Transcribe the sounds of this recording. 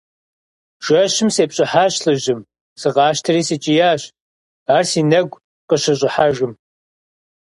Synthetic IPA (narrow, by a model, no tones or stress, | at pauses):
ʒ̥ɐɕɪmseːpʼɕʼɪħaːɕɬɨʑɪm | sɨʁɑːʃtʰɐriːsɨt͡ʃʼɪjaːɕ | aːrsiːnɐɡʷ | qəɕɐɕʼɪħaʒɨm